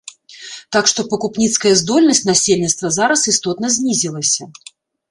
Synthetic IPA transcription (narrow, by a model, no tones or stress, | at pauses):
t̪akʂt̪ɔpɐkupnʲit̪skɐjɛzd̪ɔlʲnɐsʲtʲnasʲelʲnʲit̪st̪vɐzaɾɐsist̪ɔt̪nɐzʲnʲizʲilˠɐsʲɐ